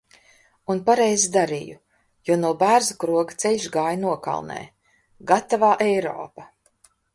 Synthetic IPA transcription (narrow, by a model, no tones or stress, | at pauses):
unpaɾɛjzid̪aɾḭːju | juɔnuɔbæːɾzukɾuɔɡat̪sɛlʲʃɡaːjnuɔka̰lˠnɛ̰ː | ɡat̪avaːʔɛjɾɔ̰ːpa